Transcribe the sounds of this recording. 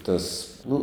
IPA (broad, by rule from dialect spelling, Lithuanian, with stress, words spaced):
ˈtɐs ˈnʊ